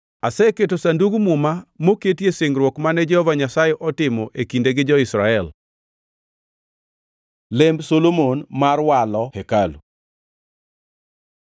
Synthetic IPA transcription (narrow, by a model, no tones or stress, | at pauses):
asɛketosanduɡumʊmamoketjeseŋɾwɔkmanɛd͡ʒɛhɔvaɲasajɛʔɔtɪmɔʔekindeɡɪd͡ʒɔɪsɾaɛl | lɪmbsolomonmarwalɔhekalu